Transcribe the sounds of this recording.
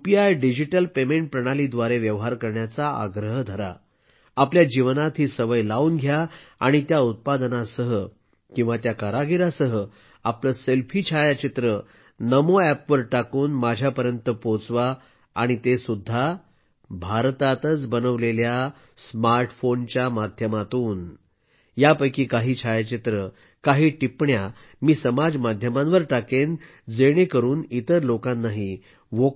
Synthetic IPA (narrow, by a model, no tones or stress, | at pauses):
upiajɖid͡ʑiʈəlpemeɳʈ̚pɾəɽ̃alid̪ʋaɾeʋjəʋɦaɾkəɾɳjat͡saa̰ɡɾəɦəd̪ʱəɾa̰ | apljad͡ʑiʋnat̪ɦiːsəʋəjlauːnɡʱjaaɽ̃it̪jaut̪̚pad̪ənasəɦə | kĩw̃ʋat̪jakaɾaɡʱiɾasəɦə | apləselfʰiːt͡ɕʰajat͡ɕit̪ɾə | nəmoæpʋəɾʈakuːnmad͡ʑʱjapəɾjənt̪əpot͡sʋaː | ɽ̃it̪esud̪ʱːa | bʱaɾt̪at̪ət͡sbənəʋlelja | smaɾʈfont͡ɕjamad̪ʱjəmat̪uːn | japəjkiːkaɦiːt͡ɕʰajat͡ɕit̪ɾə | kaɦiːʈipɳja | miːsəmad͡zmad̪ʱjəmãnʋəɾʈaken | d͡zeɽ̃ekəɾuːnit̪əɾlokãnːaɦi | ʋo